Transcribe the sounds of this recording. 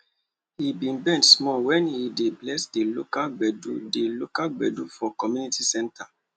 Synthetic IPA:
hibĩnbɛ̃ntsmɔwɛ̃nhideblɛsdelokalɡ͡bɛdudelokalɡ͡bɛ̰dufɔkɔmjunitisɛ̃ntʰa

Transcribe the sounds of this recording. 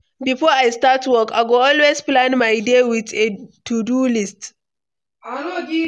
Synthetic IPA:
bifɔajstatwɔka̰ɡoɔlwesplãnmajdewɪtetudulist

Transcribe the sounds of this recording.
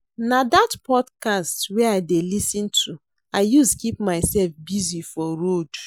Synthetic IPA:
nadatpɔdkastwɛaɪdelisĩntʰu | aɪjuskipmaɪsɛlfbizifɔɹod̥

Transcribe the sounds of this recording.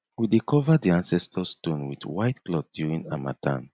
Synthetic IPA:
widikʰɔvədiãnsɛstʰəstõnwḭdwaɪtklɔt̚d̥juɹĩŋama̰tʰã̰n

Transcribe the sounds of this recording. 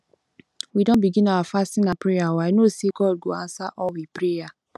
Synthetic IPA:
widɔ̃nbiɡĩnawafastĩnapɾejawaɪnoseɡɔd̚ɡoã̰nsaʔɔlwipɾeja

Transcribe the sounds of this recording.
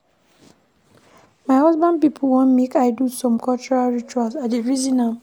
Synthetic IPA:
maɪhɔzbãnd̚pipʰl̩wɔ̃nmekaɪdusɔ̃mkɔlt͡ʃɔɹalɹit͡ʃualsaeɹizĩna

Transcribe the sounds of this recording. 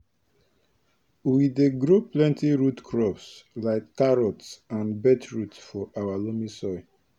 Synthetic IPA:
wideɡɹoplɛ̃ntiɹutkʰɹɔpslaɪktaɹɔtsãnbɛtʰɹutsfɔʔawalomisɔɪ

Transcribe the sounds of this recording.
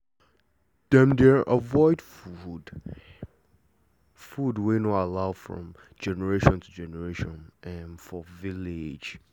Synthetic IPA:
d̥ɛ̃mdɛɹʔəvɔɪdfud | fudwenɔalaʊfɹɔ̰̃m | d͡ʒɛnəɹeʃɔ̃ntʰud͡ʒɛnəɹeʃɔ̃nɛ̃nfɔvilɪd͡ʒ

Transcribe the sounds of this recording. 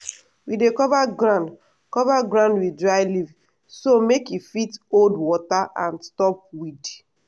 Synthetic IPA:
widekɔvaɡɹãnd | kɔvaɡɹãndwidɹajliv | somekifitoldwɔtaʔãnstɔp̚wid

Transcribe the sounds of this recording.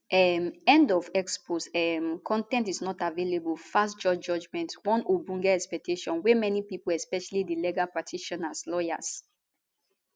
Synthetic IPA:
ʔɛmɛ̃ndɔvɛksposɛmkʰɔ̃ntɛ̃ntisnɔtavelebulfastd͡ʒɔd͡ʒɔd͡ʒmɛ̃ntwɔ̃nubũŋɡɛɛkspɛk̚tʰeʃɔ̃nwɛmɛnipipolɛspɛʃalidilɛɡapɹatʰiʃɔ̃naslɔja̰s

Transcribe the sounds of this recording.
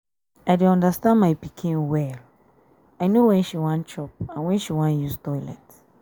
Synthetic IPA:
ajduɔ̃ndastãnmajpikʰĩnwɛl | aɪnowɛ̃nʃiwãnt͡ʃɔp̚ãnwɛ̃nʃiwãnjustɔɪlɛ̰t

